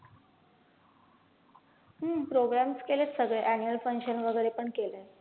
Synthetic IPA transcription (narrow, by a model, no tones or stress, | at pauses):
ɦəmpɾoɡɾamskelet͡ssəɡɭeʔænjuəlfəŋkɕənʋəɡəjɾepəɳkele